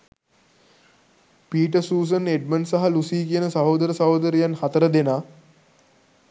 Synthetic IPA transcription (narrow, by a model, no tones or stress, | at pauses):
piːʈəsuːs̬əneɖ̚mənsaɦalusiːkijənəsɐɦoːd̪əɾəsɐɦod̪əɾijanhat̪əɾəd̪enaː